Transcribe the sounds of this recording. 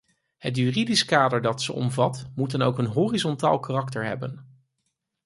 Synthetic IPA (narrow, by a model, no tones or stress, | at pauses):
hətjyridiskaːdəɹdɑtsəʔɔ̰mvɑtmutənowkənɦoːrizɔnta̰ːlˠkarɑktəɹɦɛ̰bən